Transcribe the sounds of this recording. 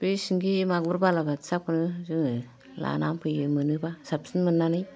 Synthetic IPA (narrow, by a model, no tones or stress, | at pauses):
b̥esiŋɡimaɡbuɾbalabatsakunɯzɯŋ | la̰nampʰɯjɯmɯnɯbasap̚sinmɯnːanɯj